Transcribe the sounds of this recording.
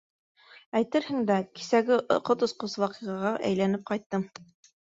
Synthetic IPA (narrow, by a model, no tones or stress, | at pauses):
æjt̪ɘɾhɘ̆ŋd̪æki̥sæɡɘʔqot̪ŏsqoswɑqiʁɑʁɑʔæ̰jlænɘp̚qɑjt̪ːɤm